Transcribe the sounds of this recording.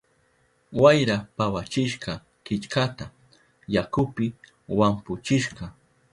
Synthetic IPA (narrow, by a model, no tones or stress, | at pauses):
wajɾapawat͡ʃɪʃqɑ | kɪt͡ʃkat̪a | jakʊpɪ | wampʊt͡ʃɪʃɢɑ